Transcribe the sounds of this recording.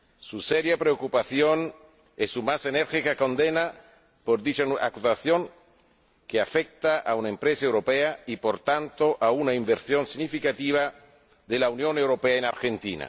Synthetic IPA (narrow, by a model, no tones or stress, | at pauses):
suseɾjapɾeokupaθjon | esumaseneɾxikakond̪ena | poɾd̪it͡ʃaa̰kusaθjoŋ | keafek̚t̪aʔaunaẽmpɾesaewɾopeaipoɾt̪ant̪oʔaunaiɱbeɾsjonsinifikat̪iβ̞a | ðelaunjonewɾopeaenaɾxent̪ḭna̰